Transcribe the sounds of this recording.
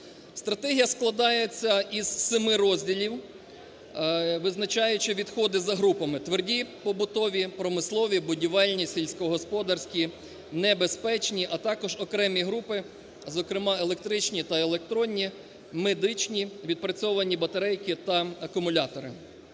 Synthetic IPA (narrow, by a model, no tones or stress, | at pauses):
st̪ɾɐt̪ɛɦʲijɐsklˠɐd̪ɑjet͡sʲːɐizsɪmɪɾɔzʲdʲilʲiw | ʋɪznɐt͡ʃɑjʊt͡ʃɪʋʲid̪xɔd̪ɪzɐɦɾupɐmɪt̪ʋerdʲipɔbʊt̪ɔʋʲipɾɔmɪslˠɔʋʲibʊdʲiʋɛlʲnʲisʲilʲsʲkɔɦɔspɔd̪ɐrsʲkʲi | nɛbespɛt͡ʃnʲiʔɐt̪ɑkɔʒɔkɾɛmʲiɦɾupɪ | zɔkɾɪmɑelˠek̚t̪ɾɪt͡ʃnʲit̪ɐelˠek̚t̪ɾɔnʲːi | med̪ɪt͡ʃnʲiʋʲid̪̚pɾɐt͡sʲɔʋɐnʲibɐt̪ɐɾɛjkɪt̪ɐɐkʊmʊlʲɑt̪ɔɾɪ̰